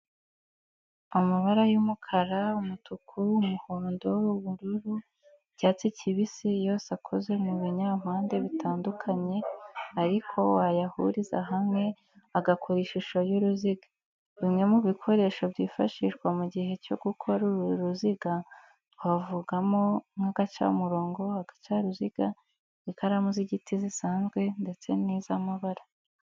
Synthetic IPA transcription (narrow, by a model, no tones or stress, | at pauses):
umuβaɾajumukʰaɾaumutukʰuumuhoːndo̞uβuɾuɾu̥ | ɟ̥aːt͡siciβisijo̞ːsakʰo̞ze̞muβiɲam̥haːnde̞βitʰaːndukʰaɲe̞aɾikʰo̞wajahṵɾiza̰ɦamŋe̞ | aɡakʰoɾiʃiʃajuɾuziɡa | βimŋe̞muβikʰo̞ɾe̞ʃobjiːfa̰ʃiʃɡwamuɟihe̞co̞ɡ̥ukʰo̞ɾuuɾuziɡa | wavuɡamo̞ŋ̥aɡat͡ʃa̰muɾo̞ːŋɡo̞aɡ̥ḁt͡ʃaɾuziɡ̥a | ikaɾamuziɟitʰizisaːnzɡwe̞nde̞t͡se̞niːzamaβaɾa